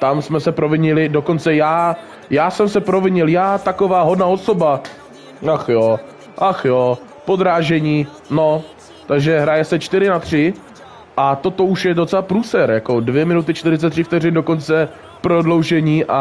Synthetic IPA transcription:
t̪amsmɛsɛpɾovɪɲɪlɪdo̞ko̞nt͡sɛjaː | jaːsɛmsɛpɾo̞vɪɲɪljaːt̪ako̞vaːɦo̞dnao̞so̞ba | axjo | ʔaxjo | po̞d̪ɾaːʒɛɲiː | no̞ | t̪aɡʒɛɦɾajɛsɛt͡ʃt̪ɪɾɪnat̪r̝̥ɪ | ʔat̪o̞t̪o̞uʃjɛdo̞t͡sɛlapɾuːsɛɾjako̞dvjɛmɪnut̪ɪt͡ʃt̪ɪɾɪtt͡sɛt̪ːr̝̥ɪft̪ɛr̝ɪndoko̞nt͡sɛ | pɾodlo̞wʒɛɲiːʔa

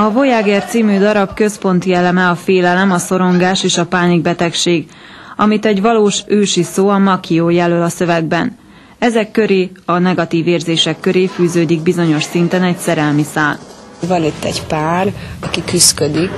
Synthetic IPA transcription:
ɒvo̞jaːɡɛːrt̪siːmyːd̪ɒɾɒbkø̞spo̞nt̪iɛlɛmɛɒfeːlɛlɛmɒso̞ɾo̞ŋɡaːʃeːʃɒpaːniɡ̚bɛt̪ɛkʃeːɡ | ɒmit̪ɛɟʋɒloːʃøːʃisoːɒmɒkʰioːjɛlølɒsøvɛɡ̚bɛn | ɛzɛkːø̞ɾeːɒnɛɡɒt̪iːveːrzeːʃɛkːø̞ɾeːfyːzøːd̪iɡ̚bizo̞ɲo̞ʃsint̪ɛnɛcsɛɾɛlmisaːl | vɒnit̪ːɛɟpaːrɒkikyskød̪ik

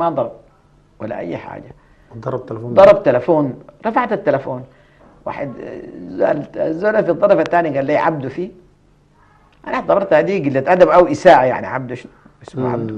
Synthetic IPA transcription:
mad̪ˤɑɾˤb̚ | wa̰lːa̰ʔa̰jːħa̰ːd͡ʒa | d̪ˤɑɾˤb̪lːd̪ˤɑɾˤɑbt̪alafoːnɾˤɑfaʕt̪at̪ːalafoːn | wa̰ːħed̪za̰lzːoːlafid̪ˤːɑɾˤfat̪ːaːniɡaːlːiːʕa̰b̚d̪ufiː | ʔanʔaħt̪ːˤɑbɑɾˤt̪had̪iːɡilːat̪ʔad̪abʔawʔisaːʔaja̰ʕnḭʕa̰b̚d̪uʃn | ɪsmaʕabd̪u

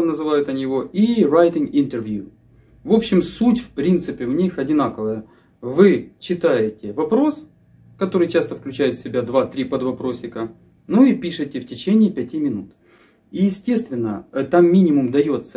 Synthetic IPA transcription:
nəzɨvajʊt̪ɐnʲɪvo̞ʔirajtʲɪŋɪnt̪ərvʲju | vo̞pɕːɪmsutʲfpɾʲint̪sɨpʲɪvnʲixɐdʲɪnakəvəjə | vɨt͡ɕːɪt̪ajɪtʲɪvɐpɾo̞s | kɐt̪o̞ɾɨjt͡ɕast̪əfklʲʉt͡ɕæjʊt̪fʲsʲɪbʲad̪vat̪ɾʲipəd̪vɐpɾo̞sʲːɪkə | nuipʲiʂɨtʲɪftʲɪt͡ɕenʲɪːpʲɛtʲimʲɪnut̪ | ijɪsʲtʲe̞st̪vʲɪnːə̰t̪amːʲinʲɪmʊmd̪ɐjo̞t̪sːə

